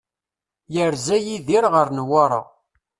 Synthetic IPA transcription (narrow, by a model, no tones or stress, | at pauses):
jəɾzæjiðiɾʁəɾnwɑɾˤɑ̰